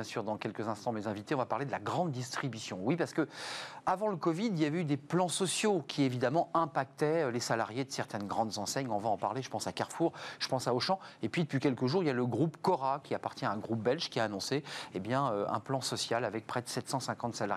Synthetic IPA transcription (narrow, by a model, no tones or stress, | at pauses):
jɛ̃syʁd̪ɑ̃kʲɛlkəzɛ̃st̪ɑ̃mezɛ̃vit̪eɔ̃vapaʁled̪əlaɡʁɑ̃d̪ːist̪χibysjɔ̃wipaʁsə̥kəavɑ̃ləkɔvid̪iljavɛyd̪eplɑ̃sɔsjokʲʰievid̪amɑ̃ɛ̃pak̚t̪ɛølesalaʁjed̪əsɛʁt̪ɛnɡʁɑ̃d̪zɑ̃sɛɲɔ̃vaɑ̃pa̰ʁleʒə̥pɑ̃sakaʁfuʁʒ̥ə̥pɑ̃saɔʃɑ̃epɥid̪əpɥikʲɛlkəʒuʁiljaləɡʁupkɔʁakʲiapaʁt̪jɛ̃aɛ̃ɡʁup̚bɛlʒkʲiaːnɔ̃seebjɛ̃øɛ̰̃plɑ̃sɔsjalavɛk̚pχɛd̪əsɛt̪sɑ̃sɛ̃kɑ̃t̪sala̰ʁ